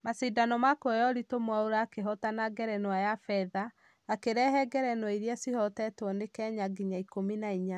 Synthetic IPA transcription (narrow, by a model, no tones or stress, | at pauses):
masidanɔmakɔjɔɾitomwaoɾaːkeɦɔtanaɡɛɾɛnwajafɛðaː | keɾɛhɛɡɛɾɛnwɔiɾjasihɔtɛtɔnekɛɲaɡiɲaikominaiɲa